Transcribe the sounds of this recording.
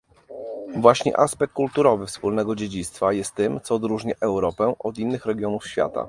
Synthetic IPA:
vwaɕɲɛ̰ʔaspɛk̚t̪kːult̪uɾɔvɘfspulnɛɡɔd͡ʑed͡ʑit̪st̪fajɛst̪ːɘmt̪sɔːd̪ɾuʐɲaʔɛwɾɔpɛʔɔd̪inːɘxɾɛɡʲjɔnufɕfʲja̰t̪a̰

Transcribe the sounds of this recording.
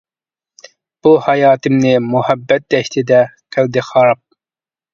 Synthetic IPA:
b̥ulˠhɑjɑːt̪ʰɨmnɪmʊhæbːɛt̪̚d̪ɛʃt̪ʰɪd̪ɛqʰæld̪ɪχɑɾɑp̚

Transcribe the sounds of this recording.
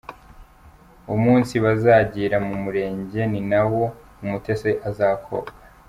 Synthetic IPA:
umuːnsiβazaːɟiːɾamumuɾe̞ːɲɟe̞ninawo̞ | umute̞seʔazaːkʰo̰kḁ

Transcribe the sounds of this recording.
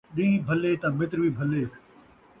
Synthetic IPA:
ɗĩːbʱəleːt̪ãːmɪt̪ɾʋiːbʱəleː

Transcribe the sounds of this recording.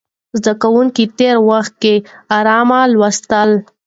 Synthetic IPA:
zd̪akawuŋkit̪eɾwaxt̪̚keaɾɑmalwast̪əl

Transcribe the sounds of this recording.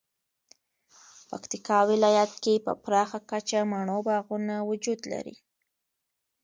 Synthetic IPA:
pakt̪ikɑwɪlɑjat̪̚kepə̰pɾɑxakat͡ʃamaɳobɑɣunawʊd͡ʒud̪la̰ɾḭ

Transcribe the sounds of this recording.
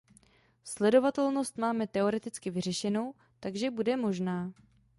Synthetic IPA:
slɛdo̞vat̪ɛlno̞st̪maːmɛt̪ɛo̞ɾɛt̪ɪt͡skɪvɪr̝ɛʃɛno̞w | t̪aɡʒɛbudɛmo̞ʒnaː

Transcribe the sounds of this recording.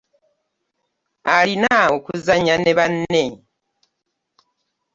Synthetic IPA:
alinaokuzaɲaneβanːe̞

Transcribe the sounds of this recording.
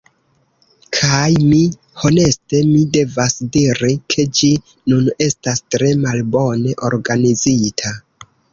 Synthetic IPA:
kʰajmi | ho̞ne̞ste̞mide̞vasdiɾikʰe̞d͡ʒi | nune̞stastɾe̞malbo̞ne̞ʔo̞̰ɾɡanizitʰa

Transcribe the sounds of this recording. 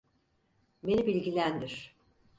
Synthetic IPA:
be̞nibilʲɟilʲænd̪iɾ̥

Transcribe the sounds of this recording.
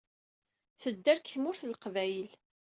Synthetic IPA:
θəd̪ːæɾkθmʊɾθlqvæjəl

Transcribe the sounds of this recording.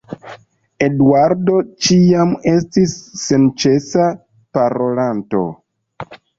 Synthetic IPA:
e̞duaɾdo̞t͡ʃiame̞stisːe̞nt͡ʃe̞sa | paɾo̞lanto̞̰

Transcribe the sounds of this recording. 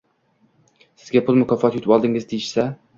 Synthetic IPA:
sɪzɡʲapʰʊlˠmʊkʰʲɒfɒt̪jʊt̪ʰɪpɒlˠd̪ɪŋɪzd̪ejɪʃsa

